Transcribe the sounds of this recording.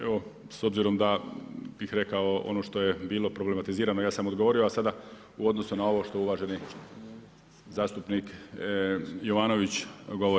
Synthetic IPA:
ḛʋo̞ | so̞bziɾo̞md̪abixɾe̞kaoo̰no̞ʃt̪o̞jebiːlˠo̞pɾo̞ble̞mat̪iziːɾanojaːsamo̞d̪ɡoʋo̞ɾio̞asad̪a | uo̞d̪no̞sunao̞ʋo̞ʃt̪ojuʋaʒe̞ni | zaːst̪upnik | joʋaːno̞ʋit͡ɕɡo̞ʋo

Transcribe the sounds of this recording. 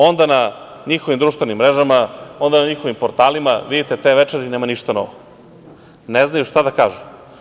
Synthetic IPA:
o̞nd̪ana | ɲixo̞ʋimd̪ɾuʃt̪ʋenimːɾeʒamao̞nd̪anaɲixoʋimpoɾt̪aːlima̰ʋid̪it̪et̪eʋet͡ʂeɾineːmaniʃt̪anoʋo | neznajuʃt̪ad̪akaːʒu

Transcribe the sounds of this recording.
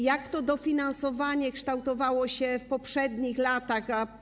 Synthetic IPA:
jakt̪ɔd̪ɔfʲinansɔvaɲɛkʂt̪awt̪ɔvawɔɕɛfpɔpʂɛd̪ɲixlat̪axa

